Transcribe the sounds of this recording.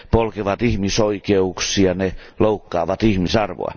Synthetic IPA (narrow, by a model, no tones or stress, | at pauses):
polkeʋɑt̪ihmisoikeuksiɑne | loukːɑːʋɑt̪ihmisɑrʋo̰ɑ̰